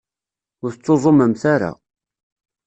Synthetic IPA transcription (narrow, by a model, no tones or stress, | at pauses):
ʊɾθət͡sːozˤoməmθaɾa̰